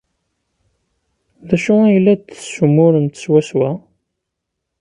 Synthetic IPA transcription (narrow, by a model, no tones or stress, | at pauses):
ðæʃʊæjlːæd̪θə̥sumʊɾənt̪ə̥swæswæ